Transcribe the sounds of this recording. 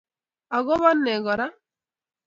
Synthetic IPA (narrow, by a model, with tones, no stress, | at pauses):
a˨ɡɔ˦βa˦nːɛ˨ɡɔ˨ɾa˦